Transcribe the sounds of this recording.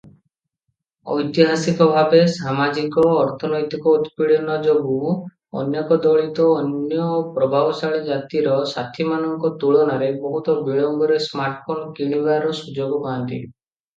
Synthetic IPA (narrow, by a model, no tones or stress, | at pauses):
ɔ̰jt̪iɦasikɔbʱabesamad͡ʒikɔːɾt̪ʰɔnɔjt̪ikɔut̪piɭɔnɔd͡ʒobu | ɔ̰njɔkɔd̪ɔɭit̪ɔːnjɔpɾɔbʱabɔsaɭed͡ʒat̪iɾɔsat̪ʰimanɔŋkɔt̪uɭɔnaɾebɔɦut̪ɔbijɔŋɡɔɾesmaɾʈpʰɔnkiɽ̃ibaɾɔsud͡ʒoɡɔkaant̪ḭ